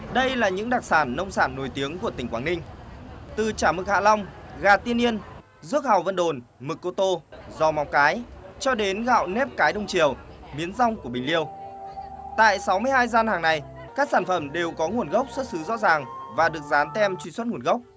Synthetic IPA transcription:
ɗə˧jlaː˨˩ɲɨ̰˧˥ŋɗaː˨˩k̚saː˧˩nːə˧wŋ͡msaː˧˩nːo˨˩jt̪i˨˦əŋku˧˩ət̪ï˩ŋ̟kwaː˨˦ŋnï˧ŋ̟t̪ɨ˨˩t͡ɕaː˧˩mɨ˨˩k̚ha̰ː˧˨la˧wŋ͡mɣaː˨˩t̪i˧əni˧ən | zɨ˦˥ək̚ha˨˩wvə̰˧nɗo˨˩nmɨ˨˩kːo˧t̪o˧zɔ˧ma˨˦wŋ͡mkaː˨˦jt͡ɕɔ˧ɗe˨˦nɣa̰ː˧˨wnɛ˦˥p̚kaː˨˦jɗə˧wŋ͡mt͡ɕi˨˩əwmi˨˦ənza˧wŋ͡mku˧˩əɓï˨˩ŋ̟li˧əw | t̪a̰ː˧˨jsa˨˦wmɨ˧əjhaː˧jzaː˧nhaː˨˩ŋna˨˩j | kaː˦˥k̚saː˧˩nfə˧˩mɗe˨˩wkɔ˨˦ŋu˨˩ənɣə˦˥wk͡p̚swə˦˥t̚sɨ˨˦zɔ̰˧˥zaː˨˩ŋvaː˨˩ɗɨ˨˩ək̚zaː˨˦nt̪ɛ˧mt͡ɕwḭ˧˩swə˦˥t̚ŋu˨˩ənɣə˦˥wk͡p̚

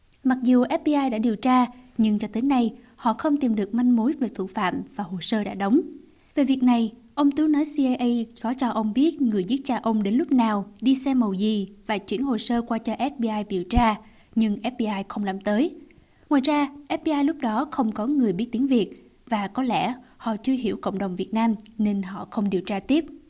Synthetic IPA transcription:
ma˨˩k̚zu˨˩ʔɛ˦˥p̚ɓi˧ʔaː˧jɗa̰ː˧˥ɗi˨˩əwt͡ɕaː˧ɲɨ˧ŋt͡ɕɔ˧t̪e˨˦na˧˩j | hɔ̰˧˨xə˧wŋ͡mt̪i˨˩mɗɨ˨˩ək̚ma˧jŋmu˨˦jve˨˩t̪ṵ˧˨fa̰ː˧˨mvaː˨˩ɦo˨˩səː˧ɗa̰ː˧˥ɗə˨˦wŋ͡m | ve˨˩vi˨˩ək̚na˨˩j | ʔə˧wŋ͡mt̪u˨˦nɔ˨˦jsi˧ʔa˧jʔə˧jkɔ˨˦t͡ɕɔ˧ʔə˧wŋ͡mɓi˦˥ət̚ŋɨ˨˩əjzi˦˥t̚t͡ɕaː˧ʔə˧wŋ͡mɗe˨˦nlʊ˦˥k͡pp̚naː˨˩wɗi˧sɛ˧mːə˨˩wzi˨˩vaː˨˩t͡ɕwḭ˧˥ənho˨˩səː˧kwaː˧t͡ɕɔ˧ʔɛ˦˥t̚ɓi˧ʔaː˧jɓi˧˩əwt͡ɕaː˧ | ɲɨ˧ŋʔɛ˦˥t̚ɓi˧ʔaː˧jxə˧wŋ͡mla̰ː˧˩mt̪əː˨˦j | ŋwa̰ː˨jzaː˧ʔɛ˦˥p̚ɓi˧ʔaː˧jlʊ˦˥k͡p̚ɗɔ˨˦xə˧wŋ͡mkɔ˨˦ŋɨ˨˩əjɓi˦˥ət̪̚i˨˦əŋvi˨˩ək̚ | vaː˨˩kɔ˨˦lɛ̰˧˥hɔ̰˧˨t͡ɕɨ˧əɦḭ˧˩əwkə̰˧˨ŋ͡mɗə˨˩wŋ͡mvi˨˩ət̚naː˧mne˧nɦɔ̰˧˨xə˧wŋ͡mɗi˨˩əwt͡ɕaː˧t̪i˦˥əp̚

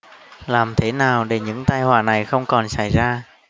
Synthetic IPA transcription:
laː˨˩mt̪ʰe˧˩˦naː˨˩wɗe˧˩ɲɨ̰˧˥ŋt̪aː˧jhwaː˨˩na˨˩jxə˧wŋ͡mkɔ˨˩nsa˧˩jzaː˧

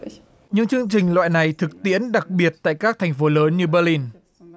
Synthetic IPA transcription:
ɲɨ̰˧˥ŋt͡ɕɨ˧əŋt͡ɕï˨˩ŋ̟lwa̰ː˧˨jna˨˩jt̪ʰɨ˨˩k̚t̪ḭ˧˥ənɗa˨˩k̚ɓi˨˩ət̚t̪a̰ː˧˨jkaː˦˥k̚t̪ʰjŋ̟fo˨˦ləː˨˦nɲɨ˧ɓə˧li˧n

